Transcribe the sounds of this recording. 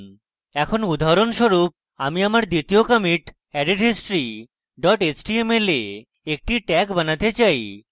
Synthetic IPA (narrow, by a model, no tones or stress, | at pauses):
ɛkʰonud̪ʱaɾonʃoɾup̚ | amiamaɾd̪it̪iokəmiʈ | ɛɖeɖɦisʈɾi | ɖɔʈet͡ɕʈiemele | ek̚ʈiʈɛkbanat̪et͡ɕaj